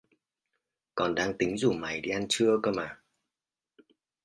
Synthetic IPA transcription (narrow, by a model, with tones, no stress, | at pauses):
kɔ˨˩nɗaː˧ŋt̪ï˨˦ŋ̟zu˨˩ma˨˩jɗi˧ʔa˧nt͡ɕɨ˧əkə˧maː˨˩